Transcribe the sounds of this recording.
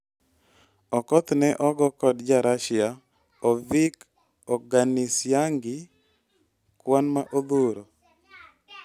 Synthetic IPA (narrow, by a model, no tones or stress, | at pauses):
ɔkɔt̪nɛʔɔɡɔkɔdd͡ʒaɾaʃɪa | ɔvik | ɔɡanisjaŋɡɪ | kwanmaʔod̪oɾo